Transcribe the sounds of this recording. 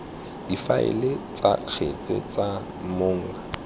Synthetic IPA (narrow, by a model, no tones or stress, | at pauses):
d̥ifaɪ̰let͡sʼak͡xʰet͡sʼḛt͡sʼa | moːŋ̩a